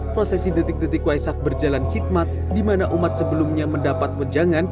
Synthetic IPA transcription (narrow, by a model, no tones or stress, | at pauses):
pɾosɛsidət̪ɪk̚dət̪ɪkwajsak̚bərd͡ʒalanhit̪̚mat̪̚ | dimanaʔumat̪̚səbəlumɲaməndapat̪̚wəd͡ʒaŋan